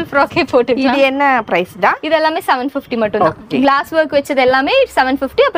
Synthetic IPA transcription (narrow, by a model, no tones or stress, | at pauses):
lfɾɔːkeːpoːʈɐiienːɐpɾɐjsd̪aid̪ɛlːaːmeːsɐʋɐɳɖpʰipʰʈimɐʈːũoːkeɡlaːsʋɐɾkʋet͡ʃːɐd̪ɛlːameːiʈsɐʋɐɳɖpʰipʈiɐpː